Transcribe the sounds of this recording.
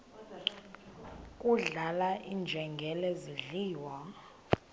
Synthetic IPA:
kʼuɮalaʔind͡ʒʱɛŋɡʱɛlɛziɮiːwa

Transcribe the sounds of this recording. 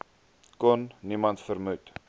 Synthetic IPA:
kɔnːimɐntfərmut

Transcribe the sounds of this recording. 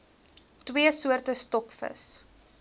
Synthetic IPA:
twiəsuərtəstɔkfə̰s

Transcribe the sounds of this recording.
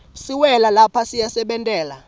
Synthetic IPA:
siwɛlalapʰasijasɛɓɛntʼɛːla̰

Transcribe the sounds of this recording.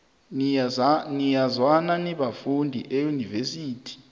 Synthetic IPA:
nijazwananiɓafundʱḭʔɛjunivesiːtʰi̥

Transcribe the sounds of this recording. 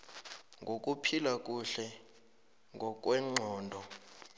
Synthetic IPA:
ŋɡʱok̬ʼupʰilak̬ʼuɬɛ | ŋɡʱɔk̬ʼwɛŋ͡ǃʱɔːndʱɔ

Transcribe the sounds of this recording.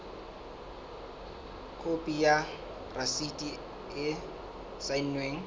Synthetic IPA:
kʰopʼija | prasidʼi | ɪ | sainweːŋ̩

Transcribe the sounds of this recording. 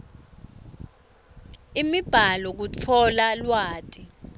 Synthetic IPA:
imib̥ʱalɔk̬ut͡fʰɔlalwaːtʼi

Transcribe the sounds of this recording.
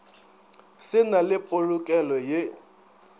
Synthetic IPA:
sɪnalɪpʼolʊkʼɛlɔje

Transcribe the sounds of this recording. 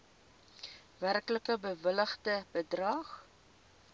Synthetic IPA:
værkləkəbəvələχdəb̥ədrɐχ

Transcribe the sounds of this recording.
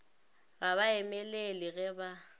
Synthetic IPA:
ɣaβaɛmɛlelɪɣɛba

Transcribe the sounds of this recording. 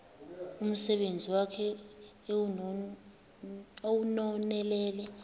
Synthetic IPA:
um̩sɛɓend͡zʱiwakʰɛ | owunɔnɛlɛːlɛ

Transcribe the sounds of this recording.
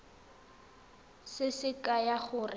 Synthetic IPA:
sɪsɪkʼajaχʊrɪ

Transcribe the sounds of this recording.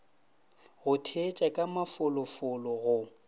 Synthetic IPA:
ɣʊtʰet͡ʃʼakʼamafʊlʊfʊlɔɣʊ

